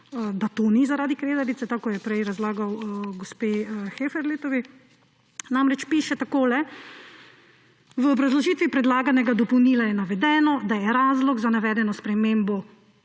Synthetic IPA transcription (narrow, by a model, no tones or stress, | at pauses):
d̪at̪onizaɾaːd̪ikɾeːd̪aɾit̪sɛt̪akɔjɛpɾɛjɾazlaːɡawɡospexefɛɾleːt̪ɔʋi | namɾɛt͡ʃpiːʃɛt̪akoːlɛ | ʋəɔbɾazlɔʒiːt̪ʋipɾɛd̪laːɡanɛɡad̪ɔpɔwniːlajɛnaʋɛd̪ɛːnɔd̪ajɛɾaːzlɔɡzanaʋɛːd̪ɛnɔspɾɛmeːmbɔ